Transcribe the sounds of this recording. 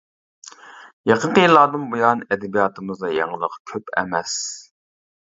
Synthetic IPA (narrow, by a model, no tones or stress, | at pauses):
jɑqʰənqəjilːɑːɾd̪ɨnbojɑnɛd̪ɛbijɑːt̪ʰɨmɨzd̪ɑjɑŋəlˠəqkʲʰøpɛ̰mɛs